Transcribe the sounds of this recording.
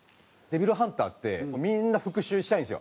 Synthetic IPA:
d̪e̞bʲiɾɯ̟ɦãnt̪a̰ːt̪ːe̞omʲĩnːaɸɯ̟kɯ̟ɕɨːɕi̥t̪ainsɨjo̰

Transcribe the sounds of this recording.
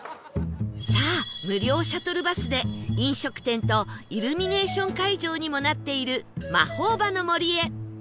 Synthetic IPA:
saːmɯ̟ɾʲo̞ːɕat̪o̞ɾɯ̟basɨd̪e̞ĩɰ̃ɕo̞kɯ̟̥t̪ẽ̞nt̪o̞iɾɯ̟mʲine̞ːɕõ̞ŋkaiʑo̞ːɲ̟imo̞nat̪ːe̞iɾɯ̟ma̰ho̞ːbano̞mo̞ɾʲie̞

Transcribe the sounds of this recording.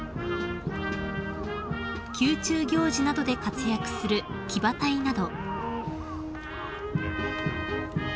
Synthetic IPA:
kʲɨːt͡ɕɨːɡʲo̞ːʑinad̪o̞d̪e̞kat͡sɨjakɯ̟̥sɨɾɯ̟ | kʲibat̪ainad̪o̞

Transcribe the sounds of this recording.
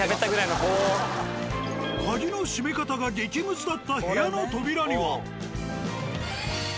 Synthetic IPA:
abet̪ːaɡɯ̟ɾainoɦoː | kaɡʲino̞ɕimekat̪aɡaɡʲikʲimɯ̟t͡sɨd̪at̪ːahe̞jano̞t̪o̞bʲiɾaɲiβa

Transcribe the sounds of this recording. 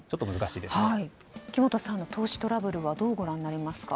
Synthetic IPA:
t͡ɕo̞t̪ːomɯzɨkaɕiːd̪eai | kʲimo̞t̪o̞sãnːo̞t̪ʰo̞ːɕi̥t̪o̞ɾabɯ̟ɾɯ̟βad̪o̞ːɡo̞ɾãnːaɾʲimasɨ̥ka̰

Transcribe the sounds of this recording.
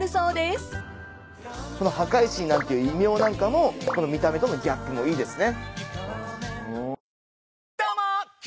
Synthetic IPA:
ɯ̟soːd̪es | ko̞no̞hakaiɕĩnːãnt̪e̞jiɯ̟imʲo̞ːnãŋkamo̞ko̞no̞mʲit̪ame̞t̪o̞no̞ɡʲakːɯ̟mo̞iːd̪e̞sɨne̞ | ɯ | t̪ama

